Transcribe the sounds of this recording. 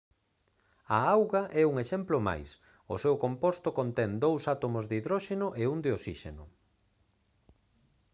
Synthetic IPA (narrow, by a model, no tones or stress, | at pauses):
ɐawɣɐʔɛuŋeʃɛmplʊma̰js | ʊsewkompost̪okont̪ɛnd̪owsat̪omozðiðɾɔʃenʊʔeund̪ɪosiʃenʊ